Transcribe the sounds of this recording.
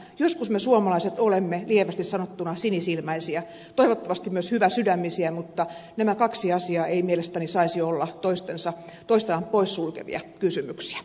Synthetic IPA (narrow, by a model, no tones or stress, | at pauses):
joskusmesuomɑlɑiset̪olemːelieʋæst̪issɑnot̪ːunɑsinisilmæisiɑ | t̪oiʋot̪ːɑʋɑst̪immyøshyʋæsydæmːisiæmut̪ːɑnæmækɑksiɑsiɑːeimielest̪ænisɑisioolːɑt̪oist̪ensɑt̪oist̪enɑmppoissulkḛʋḭɑ̰kysymyksi̥æ̥